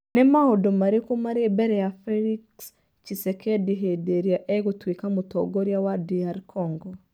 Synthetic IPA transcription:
nemahodomaɾekomaɾebɛɾɛjafɛɾiks | t͡ʃisɛkʰɛdiɦedeɾjaʔɛɣotwekamotɔ̰ɡɔɾjawadiaɾkʰɔŋɡɔ

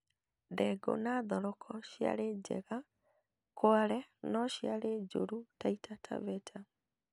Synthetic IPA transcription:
dɛɡo̰naðɔɾɔkʰɔʃia̰ɾed͡ʒɛ̰ɣa | kwaɾɛnɔʃiaɾed͡ʒo̰ɾutaitatʰa̰βɛtʰa

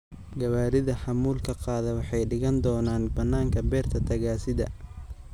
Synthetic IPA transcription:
ɡɐβaːɾɪðɐħɑmuːlkʰɐqɑːðɛwɑħɑjɖɪɣɐnd̪ɔːnaːnbɐnːaːŋkʰɐbɛːrt̪ʰɐt̪ʰɐɣaːsɪðɐ̰

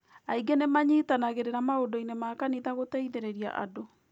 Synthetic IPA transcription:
aiɡenemaɲitanaɣeɾeɾamaodoinemakaniðaɣotɛiðeɾeɾia̰ʔa̰do

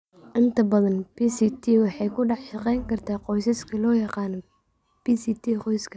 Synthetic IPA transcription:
ʔɪnt̪ʰɐbɐðɐnbisit̪ʰiːwɑħɑjkʰʊɖɑħʃɑqɛjŋkʰɐrt̪ʰaːqɔjsɐskʰɐlɔːjɑqɑːnɔ | piːsiːt̪ʰiːqɔjskʰɐ̥

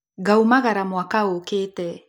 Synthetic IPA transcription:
ɡaumaɣaɾamwakaoketɛ

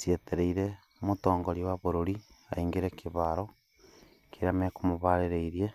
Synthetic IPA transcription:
sjeteɾeiɾe | motoːŋɡoɾiwaβoɾoɾia̰iŋɡeɾekiβaɾo | keɾamekumoβaɾeɾeiɾie

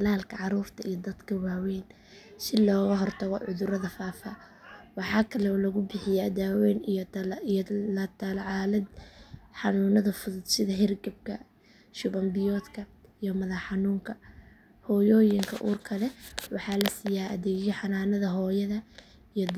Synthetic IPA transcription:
t̪ʰɐlaːlkʰɐʕɑɾuːrt̪ʰɐijɔd̪ɐd̪kʰɐwaːwɛːn | ʃɪlɔːɣɐɦɔrt̪ʰɐɣɔ̰ʕʊðʊɾɐðɐfaːfa | wɑħɑːkʰɐlɛɔːlɐɣʊbɪħɪjaːd̪aːwɛːnij̪ljlɐt̪ʰalʕɑːlɐd̪ħɑnuːnɐðɐfʊðʊd̪sɪðɐɦɛrɡɐb̚kʰɐ | ʃʊβɐmbɪjɔːd̪kʰɐijɔmɐðɐħɑnuːŋkʰɐ | hɔːjɔːjɪŋkʰɐ̰ʔuːrkʰɐlɛwɑħɑːlɐsiːjaːʔɐ̰ðɛːɡjɔħɑnaːnɐðɐɦɔːjɐðɐ | ijɔd̪

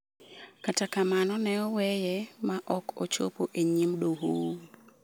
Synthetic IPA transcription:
katakamanɔnɛɔwɛjɛmaʔɔko̰t͡ʃo̰poʔeɲimdoɦo

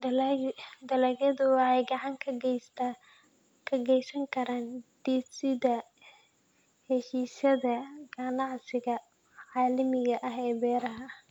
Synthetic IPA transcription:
d̪ɐlɐɣɐðʊwɑħɑjɡɑʕɑŋkʰs | kʰɐɡɛjsɐŋkʰɐɾaːnd̪̥iːsɪðɐ | hɛʃiːsɐðɐɡɐnɑʕsɪɣɐ | ʕɑːlɪmɪɣɐʔɐɦɛːbɛːɾɐɦɐ

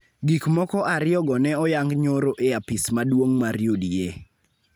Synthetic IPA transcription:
ɡikmɔkɔʔaɾɪɔɡɔnɛɔjaŋɡɲoɾoʔeapismadwoŋmaɾjodije

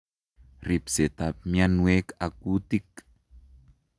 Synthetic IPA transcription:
ripset̪ap̚mjanwekakut̪ik

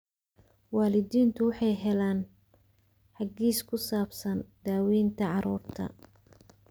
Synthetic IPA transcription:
waːlɪd̪iːnt̪ʰʊwɑħɑjɦɛlaːn | ħɑɡiːskʰʊsaːbsɐnd̪̥aːwiːnt̪ʰɐʕɑɾṵːrt̪ʰɐ̰

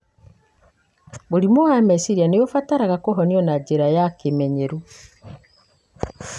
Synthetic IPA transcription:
boɾimoɣamɛsiɾianejofataɾaɣakoɦɔniɔnad͡ʒeɾajakemɛɲɛɾu

